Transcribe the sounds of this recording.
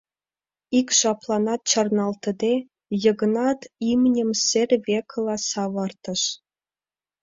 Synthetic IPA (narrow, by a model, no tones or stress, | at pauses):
ikʲʃɑplˠɑnɑt̪̚t͡ɕɑrnɑlˠt̪ɤ̆d̪ʲe | jɤ̆ɡɤ̆nɑt̪imnʲɘ̆msʲerʲvʲeklˠɑsɑʋɑrt̪ɤ̆ʃ